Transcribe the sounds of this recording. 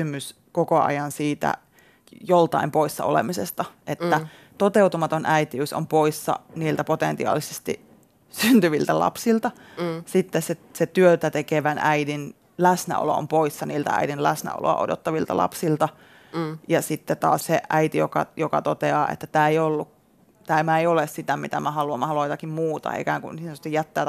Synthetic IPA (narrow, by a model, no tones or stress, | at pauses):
ymys | kokoɑ̰jɑnsiːt̪æ̰ | jolt̪ɑ̰impoisːɑ̰olḛmisest̪ɑʔet̪ːæ | t̪ot̪eut̪umɑt̪onʔæit̪iyˑso̰mpoisːɑ̰niːlt̪æpot̪ent̪iɑ̰ːlːisest̪ḭ | synt̪yʋilt̪ælɑ̰psilt̪ɑ | sit̪ːesseset̪yøt̪æt̪ekeʋænʔæidin | læsnæ̰o̰lo̰o̰mpoisːɑniːlt̪æ̰æ̰idinlæsnæ̰o̰lo̰ɑ̰ʔo̰do̰t̪ːɑʋilt̪ɑ̰lʔɑ̰psilt̪ɑ | jɑsit̪ːet̪ɑ̰ːsseʔæit̪ijokɑ̰jokɑt̪ot̪eɑːʔḛt̪ːæt̪æːeijolːuk | t̪æːmæeiolessit̪æmit̪æmæhɑluɑmːɑhɑluoɑit̪ɑkimmuːt̪ɑ̰ḛkæːŋkunist̪ːijæt̪ːæː